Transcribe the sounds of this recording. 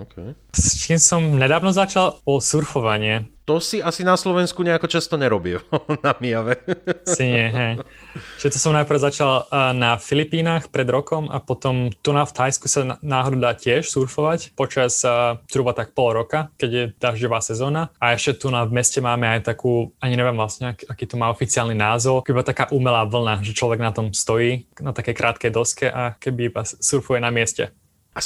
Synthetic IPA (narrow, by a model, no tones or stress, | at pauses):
ɔkʰɛj | stiːmsɔmɲɛd̪aːʋnɔzat͡ʃalɔlsuɾfɔʋaɲɪɛt̪ɔsiasinaslɔʋɛnskuɲɛakɔt͡ʃast̪ɔɲɛɾɔbilnamiaʋɛsiɲɪɛɦɛjʃɛt̪ɔsɔmnajpr̩zat͡ʃalːnafilipiːnaːxpɾɛd̪ɾɔkɔma̰pɔt̪ɔmt̪unaft̪ʰajskusanaːɦɔd̪uːd̪aːcɪɛʃsuɾfɔʋacpɔt͡ʃaszɾuːbat̪ak̚pɔlɾɔkakɛɟjɛd̪̥aʒɟɔʋaːsɛzɔːnaaɛʃcɛt̪unavmɛscɛmaːmɛajt̪akuːaɲiɲɛʋɪɛmʋlasɲɛakiːt̪ɔmaːɔfit͡siaːlninaːzɔʊbibat̪akaːʔumɛlaːʋl̩naʒɛt͡ʃlɔʋɛɡnat̪ɔmst̪ɔjiːnat̪akɛjkɾʔaːt̪kɛjd̪ɔskɛʔakɛbibasuɾfujɛnamɪɛscɛ̰